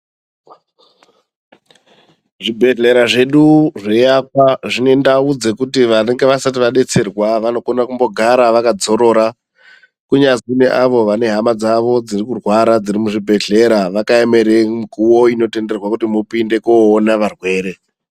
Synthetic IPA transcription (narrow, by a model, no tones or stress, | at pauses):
ʐibʱe̞ɮe̞ɾaʐe̞ɗuʐe̞jakwaʐine̞ndaud͡ze̞kutiʋaneŋɡe̞ʋasat̬iʋaɗe̞t͡se̞rwaʋano̞ko̞nakumbo̞ɡʱaɾaʋakad͡zo̞ɾo̞ːɾa | kuɲazineʔaʋo̞ʋane̞ɦamad͡zaʋo̞d͡zirikurwaɾad͡zirimuʐibʱe̞ɮe̞ɾaʋakaeme̞ɾemikuwo̞ino̞te̞nde̞rwakutimupinde̞koːnaʋarwe̞ːɾe̞